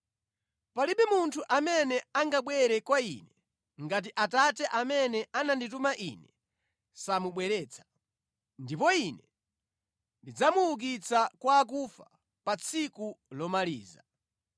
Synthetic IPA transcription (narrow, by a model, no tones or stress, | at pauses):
paliɓɛmuntʰuʔamɛnɛaŋɡaɓwɛɾɛkwaḭnɛ | ŋɡat̬iʔatatɛʔamɛnɛʔananditumaʔinɛ | samuɓwɛɾɛːt͡sʰḁ | ndipɔinɛ | ndid͡zamuːk̬it͡sʰakwaːk̬ufa | pat͡sʰikulɔmaliːza̰